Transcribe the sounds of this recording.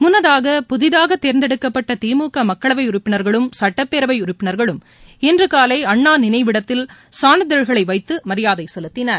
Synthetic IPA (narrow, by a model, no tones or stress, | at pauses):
mʊnːɐðaːɣɐpʊðɪðaːɣɐt̪ːeːɾnd̪ɛɽɯkːɐpːɐʈːɐt̪iːmuːkɐmɐkːɐɭɐʋɐɪʊrɪpːɪnɐɾɣɐɭɯmsɐʈːɐpːeːɾɐʋɐɪʊrɪpːɪnɐɾɣɐɭɯm | ɛndrɯkaːlɐɪɐɳːaːnɪnɐɪʋɪɽɐt̪ːɪlsaːnɯðɛɻɣɐɭɐɪʋɐɪt̪ːɯmɐɾɪjaːðɐɪsɛlɯt̪ːɪnɐɾ